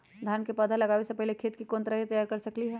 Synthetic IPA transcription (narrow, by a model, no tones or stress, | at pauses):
d̪ʱjaːnkepɐd̪ʱalɐɡaːʋesepɛɦlekʰeːt̪kikõːnt̪ɾaɦit̪ɐjaːɾkɐɾsɐkliɦɛː